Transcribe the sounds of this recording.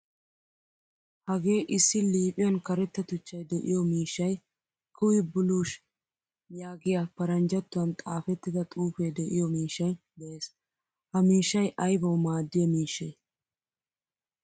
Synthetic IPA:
hɐɡe̞ːʔɪsːɪliːpʼɪjɐnkɐɾɛt̪ːɐt̪ʊt͡ʃːɐjd̪ɛʔɪ̰jɔmiːʃːɐj | kʰʊwɪbʊluːʃ | jaːɡɪjapɐɾɐnd͡ʒɐt̪ːʊɐnt̪ʼaːfɛt̪ːɪd̪ɐt̪ʼuːfed̪ɛʔɪjɔmiːʃːɐj | d̪ɛʔeːs | hɐmiːʃːɐjʔɐjbɐwmaːd̪ːɪjɛmiːʃːeː

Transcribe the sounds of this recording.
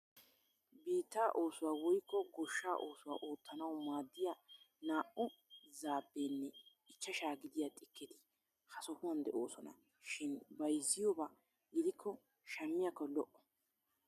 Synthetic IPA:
biːt̪ːaːʔo̞ːsʊwaːwɔjkːɔɡɔʃːaːʔoːsʊwa̰ːʔoːt̪ːɐnɐwmaːd̪ːɪjanaːʔʊzaːbːeːnːɛ | ɪt͡ʃːɐʃaːɡɪd̪ɪjaːt̪ʼɪkːɪt̪ɪ̥ | hɐsɔhʊwɐnd̪ɛʔo̞ːsɔnɐ̰ | ʃɪnbɐjzːɪjɔbaː | ɡɪd̪ɪkʰːɔ | ʃɐmːɪjakːɔlɔʔɔ̥

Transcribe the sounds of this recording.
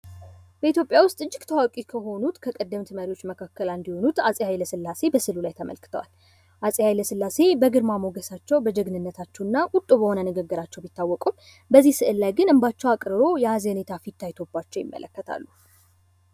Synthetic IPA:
b̥əit̪ʰjo̞pʼjawʊst̪ʼɨd͡ʒːɪɡt̪ʰəwakʼikʰəɦo̞nut̪kʰəkʼəd̪ːəmt̪ʰɨməɾiwo̞t͡ʃːməkʰakːəland̪iho̞nut̪asʼihajləsɨlːase̞bəsɨlulajt̪ʰəmʔə̰lkʰɨ̥t̪ʰəwa̰l | ʔasʼihajləsɨlːase̞bəɡɨɾmamoɡəsat͡ʃːɛwbəd͡ʒəɡnɨnːət̪ʰat͡ʃːɛwnːaʔʼʊt̪ʼːobəho̞nənɨɡəɡːɨɾat͡ʃːɛwbit̪ːawːɔkʼum | bəzːihsɨʔɨlːajɡɨnɨmbat͡ʃːɛwakʼɾɨɾo̞jɛazene̞t̪ʰafit̪ʰːajt̪ʰo̞bːat͡ʃːɛwjɪ̰mːə̰lʔə̰kːət̪ʰa̰lːu

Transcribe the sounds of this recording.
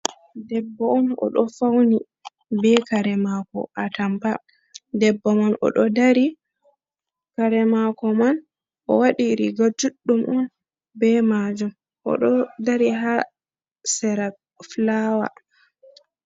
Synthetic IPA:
dɛbːɔɔnɔ̰ɗɔfawni | bɛkaɾɛmakɔ̰ʔatampa | dɛbːɔmanɔ̰ɗɔdaɾi | kaɾɛmakɔman | ʔɔ̰waɗiɾiɡad͡ʒuɗːumʔɔn | bɛmad͡ʒum | ʔɔ̰ɗɔdaɾiɦa | sɛɾa | flawa̰

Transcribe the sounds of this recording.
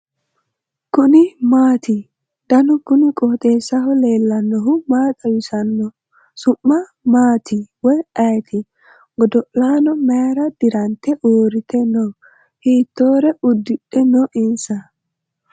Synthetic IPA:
kʊnɪmaːt̪ɪ | d̪̥ɐnʊkʊnɪkʼɔːt̪ʼe̞ːsːɐɦɔle̞ːlːɐnːɔɦʊmaːtʼɐjʊsɐnːɔ | sʊmːɐ | maːt̪ɪwɔjɐjt̪ʰɪ | ɡ̥ɔd̪ɔʔlaːnɔmeɾɐd̪̥ɪɾɐnt̪ːɛʔoːɾɪt̪ʰɛnɔ | hiːt̪ːoːɾɛʊd̪ːɪɗɛnɔʔɪnsɐ

